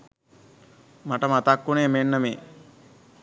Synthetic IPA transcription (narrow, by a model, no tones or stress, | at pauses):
maʈəmat̪akːuneːmenːəmeː